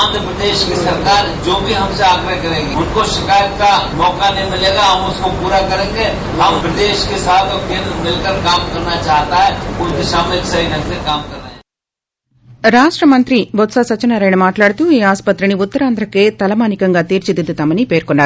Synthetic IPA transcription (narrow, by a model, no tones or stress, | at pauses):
aːnd̪ɾəpɾɐd̪eːʃkesɐɾkaːɾd͡ʒoːbʱiɦɐmseaːɡɾɐkɐɾẽːɡiʊnkoʃɪkaːjət̪̚kamɔːkanɐɦimɪleːɡaɦɐmʊskopuːɾakɐɾẽːŋɡe | ɦɐmpɾɐd̪eːʃkesaːt̪ʰkẽːnmɪlkɐɾkaːmkɐɾnat͡ʃaːɦt̪aɦɛʊnkeʃaːmelsɐɦinɐekaːmkɐɾːẽ | ɾaːʂʈɾɐmɐnt̪ɾibɔt̪saːsɐt͡ʃːɐnaːɾɐːjnɐmaːʈlaːɽut̪uiːaːspɐt̪ɾiniʊt̪ːɐɾaːnd̪ʱɾɐkeːt̪ɐlɐmaːnikɐŋɡaːt̪iːɾt͡ʃid̪id̪ut̪aːmɐnipeːɾkɔɳːaːɾu